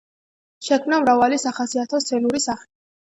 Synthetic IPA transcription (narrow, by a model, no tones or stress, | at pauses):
ʃɛkʰmnamɾavalisaχasiat̪ʰɔst̪sʰɛnuɾisaχli